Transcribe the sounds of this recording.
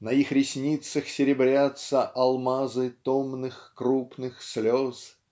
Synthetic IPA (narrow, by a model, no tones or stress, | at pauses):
nɐixɾʲɪsʲnʲit̪səxsʲɪɾʲɪbɾʲat̪səʔɐlˠmazɨt̪omnɨxkɾupnɨxslʲos